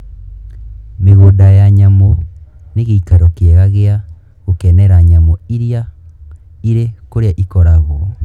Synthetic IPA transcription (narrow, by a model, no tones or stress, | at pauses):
meɣodajaɲamɔneɣeikaɾokeɣaɣea | ɣokɛnɛɾaɲamɔiɾia | iɾekoɾeaʔikɔɾaɣɔ